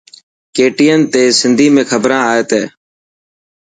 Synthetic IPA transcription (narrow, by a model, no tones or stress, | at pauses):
keːʈiːənt̪eːsɪnd̪ʱiːmẽːkʰəbɾãːaːət̪eː